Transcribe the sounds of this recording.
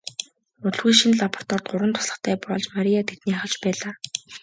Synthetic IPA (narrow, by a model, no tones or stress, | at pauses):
ʊɮɣujʃinɮapɔ̥r̥t̪ʰɔrt̪̚ɢʊɾə̆nt̪ʰʊ̥sɮə̆χt̪ʰæːpɔɮt͡ɕmaɾijat̪ʰet̪niːaχə̆ɮt͡ɕpæːɮaː